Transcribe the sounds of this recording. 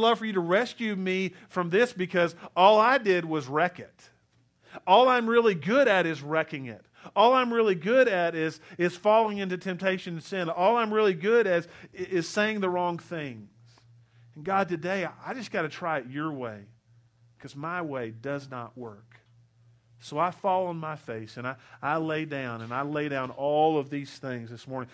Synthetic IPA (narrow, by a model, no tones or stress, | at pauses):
lʌv̥fə˞jɨɾəɹɛskjʉmi | fɹʌ̃mðɪsb̥ɨkʰʌzɔlˠaɪdɪd̚wʌzɹɛkɨt | ɔlˠãɪ̃mɹɪlˠiɡʊɾɨɾɨzɹɛkɪ̃ŋɪ̰t̚ | ɔlˠãɪ̃mɹɪlˠiɡʊɾɨɾɪzɪz̥fɔlˠɪ̃ŋɪ̃ntʉtʰɛ̃mp̚tʰeɪʃɨ̃ñnsɪ̃nɔlˠãɪ̃mɹɪlˠiɡʊɾɨzɪz̥seɪɪ̃ŋðəɹɔ̃ŋθɪ̃ŋz̥̃ | n̩ɡɑd̚tɨdeɪʔaɪd͡ʒʌsɡ̥ɑɾɨtʰɹ̥aɪɨtə˞weɪ | kʰʌzmaɪweɪdʌznə̰ʔ̚wɜ˞k | soʊaɪfɔlˠə̃nmaɪfeɪsɨ̃naɪaɪleɪdãʊ̃nɨ̃naɪleɪɾãʊ̃nɔlˠʌvðiz̥θɪ̃ŋzðɨsmɔɹnɪ̃ŋ